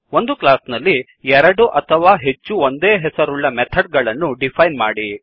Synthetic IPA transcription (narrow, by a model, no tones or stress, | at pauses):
o̞nd̪uklaːsnɐlːi | ɛɾɐɽuʔɐt̪ʰɐʋaːɦe̞t͡ʃːuond̪eːɦɛsɐɾuɭːɐmɛt̪ʰɐɖ̚ɡɐɭɐnːuɖipʰɐjnma̰ːɽi